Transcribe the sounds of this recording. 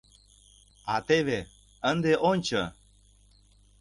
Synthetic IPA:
at̪eβe | ənd̪eʔonʲt͡ɕə̰

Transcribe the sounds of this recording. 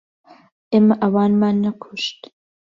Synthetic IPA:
ʔeːmɐʔɐwɑːnmaːnːɐkʰuʃt̪

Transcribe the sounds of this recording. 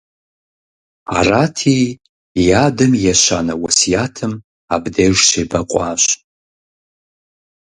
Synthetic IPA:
a̰ratʰi | jadɨmjaʃʷanawasijatʰɨm | abdejʒʃʰejbaqʷʼaːɕʷ

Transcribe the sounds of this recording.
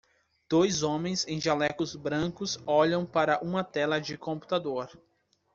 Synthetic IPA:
d̪̥ojzõmẽj̃zẽj̃ʒalɛkʊzbɾɐ̃kʊsɔʎɐ̃w̃paɾɐʔũmɐt̪ɛlɐd͡ʒɪkõmpu̥t̪ad̪oɾ

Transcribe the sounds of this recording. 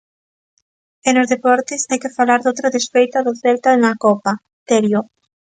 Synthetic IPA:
enozðepɔɾt̪ɪsajkɪfalaɾðowt̪ɾɐðesfejt̪ɐðoθelt̪aeŋakɔpa | t̪eɾjo

